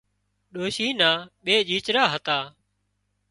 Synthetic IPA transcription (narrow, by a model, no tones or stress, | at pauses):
ɗoːʃiːnaːɓeːd͡ʒiːt͡ʃɾaːɦət̪aː